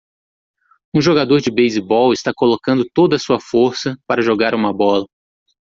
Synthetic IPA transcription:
ũʒoɡad̪oɾd͡ʒɪbejzibɔwɪst̪akolokɐ̃nd̪ʊt̪od̪ɐːsuɐfoɾsɐpaɾɐʒoɡaɾũmɐbɔlɐ

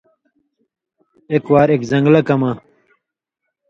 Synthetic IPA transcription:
ekwaːɾekzɐŋɡlɐkɐmɐ

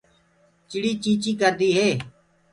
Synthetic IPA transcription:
t͡ʃɪɽiːt͡ʃĩːt͡ʃiːkəɾd̪iːɦeː

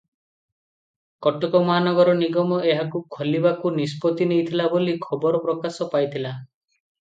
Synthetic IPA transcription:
kɔʈɔkɔmɔɦanɔɡɔɾɔniɡɔmɔʔeɦakukʰɔlibakunispɔt̪inejt̪ʰilabolikʰɔbɔɾɔpɾɔkasɔpajt̪ʰila

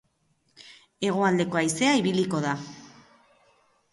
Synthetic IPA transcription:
e̞ɣ̞o̞ald̪e̞ko̞ajse̞aiβiliko̞ð̞a

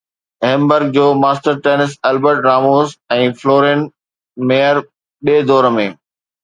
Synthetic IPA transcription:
ɦɛ̃ːmbəɾɡ̚d͡ʑoːmaːsʈəɾʈeːnɪs̬ɛlbəɾʈɾaːmoːzɛ̃ːfloːɾẽn | meːjəɾ | ɓeːd̪ɔːɾəmẽː

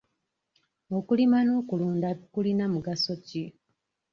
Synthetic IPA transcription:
o̞kulimano̞ːkuluːndakulinamuɡaso̞ci

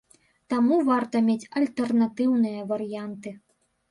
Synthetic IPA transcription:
t̪amuvart̪ɐmʲet͡sʲɐlʲt̪ɛrnat̪ɨwnɨjɐvɐɾɨjant̪ɨ

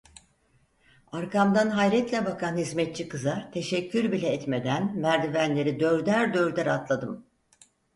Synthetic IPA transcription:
aɾkʰamd̪anɦajɾɛt̪lʲɛbakʰanhizmɛt̪̚t͡ʃʰikɯzaɾt̪ʰe̞ʃɛcʰːyɾbilʲɛɛt̪med̪ænmæɾd̪ivænlʲe̞ɾid̪øɾd̪æɾd̪øɾd̪æɾat̪lˠad̪ɯm

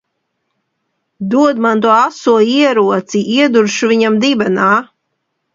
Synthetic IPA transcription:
d̪uɔd̪mant̪̬uɔasuɔiɛɾuɔt̪siʔiɛd̪uɾʃuviɲamd̪ibɛnaː

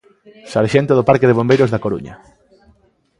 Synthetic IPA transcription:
saɾʃent̪oðopaɾkeðeβ̞ombejɾozðakoɾṵɲɐ̰

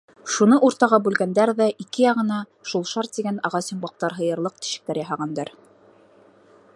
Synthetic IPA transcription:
ʃunɤʔuɾt̪ɑʁɑbʉlɡænd̪æɾðæʔikɘjɑʁɤ̆nɑ | ʃulˠʃɑɾt̪̚t̪iɡænɑʁɑsŏmbɑq̚t̪ɑɾɦɤ̆jɤ̆ɾlˠɤq̚t̪i̥ʃɘ̆k̚t̪æɾjɑɦɑʁɑnd̪ɑɾ

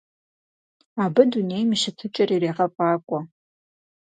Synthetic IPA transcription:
abɨdune̞jmɨʃatʰɨt͡ʃʼarirejʁapʼakʷʼa

